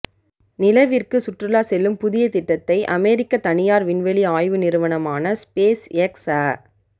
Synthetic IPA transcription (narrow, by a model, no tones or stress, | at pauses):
nɪlɐʋɪrkɯsʊʈrɯlaːsɛlːɯmpʊðɪjɐt̪ɪʈːɐt̪ːɐɪʔɐmɛːɾɪkːɐt̪ɐɳɪjaːɾʋɪnʋɛɭiaːjʋɯnɪɾɯʋɐɳɐmaːnɐspeːsɛksaː